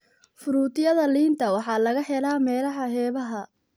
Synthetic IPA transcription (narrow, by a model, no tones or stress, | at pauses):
fʊɾuːt̪ʰɪjɐðɐliːnt̪ʰɐwɑħɑːlɐɣɐħɛlaːmɛːlɐɦɐɦɛːβɐɦɐ